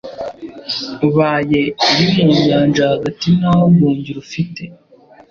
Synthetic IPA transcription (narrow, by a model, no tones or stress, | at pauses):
uβaːje̞βiβuːɲɟaːnʒahaɡatinaːhoɡuːɲɟiɾufite